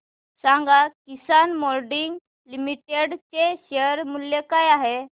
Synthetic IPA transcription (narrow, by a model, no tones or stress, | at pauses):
sãŋɡakisanmɔɾɖiŋɡ | limiʈeɽt͡ɕeɕeɾmuljekajaɦe